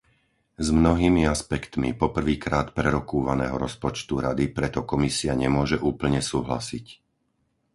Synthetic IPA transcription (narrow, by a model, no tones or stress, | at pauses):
zmnɔɦiːmiaspɛkt̪mḭpɔpr̩ʋiːkɾaːt̪pɾɛɾɔkuːʋanɛːɦɔɾɔspɔt͡ʃt̪uɾad̪ipɾɛt̪ɔkɔmisiaɲɛmʊɔʒɛʔuːpl̩ɲɛsuːɦla̰sic